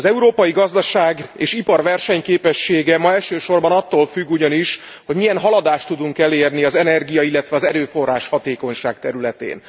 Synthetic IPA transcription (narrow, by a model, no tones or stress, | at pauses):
ɒzɛuɾoːpɒjiɡɒzd̪ɒʃaːɡḛːʃipɒrʋɛrʃɛɲkeːpɛʃːeːɡɛmɒɛlʃøːʃo̞rbɒnɒt̪ːoːlfyɡːuɟɒniʃ | ho̞ɟmijɛnɦɒlɒd̪aːʃt̪ːud̪uŋkɛleːrniɒzɛnɛrɡijɒilːɛt̪ʋɛɒzɛɾøːfo̞rːaːʃhɒt̪eːko̞ɲʃaːk̚t̪ɛɾylɛt̪ḛːn